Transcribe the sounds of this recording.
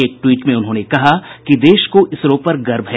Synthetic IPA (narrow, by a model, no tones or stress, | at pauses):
eːk̚ʈwiːʈmẽʊnɦõːnekɐɦakid̪eːʃkoʔɪsɾõːpɐɾɡɐɾbʱɦɛ